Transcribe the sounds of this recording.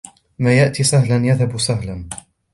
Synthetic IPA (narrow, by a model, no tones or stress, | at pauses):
maːjaʔt̪iːsˤaɦlanjaðhabsˤaɦlan